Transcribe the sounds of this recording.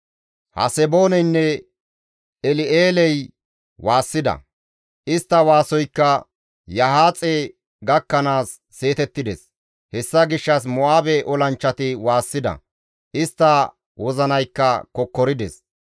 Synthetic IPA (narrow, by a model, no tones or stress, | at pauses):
hɐ̰sɛbo̞ːnɛjnːɛ | ɛlɪeːlɛj | waːsːɪd̪ɐ̰ | ʔɪst̪ːɐwaːsɔjkːɐ | jɐhaːt͡sʼe | ɡɐkːɐnaːsːe̞ːt̪ɛt̪ːɪd̪ɛs | hɛsːɐɡɪʃːɐs̬mɔaːbɛʔɔlɐnt͡ʃːɐt̪ɪwaːsːɪd̪ɐ̰ | ʔɪst̪ːɐ | wɔzɐnɐjkːɐkɔkːɔɾɪd̪ɛs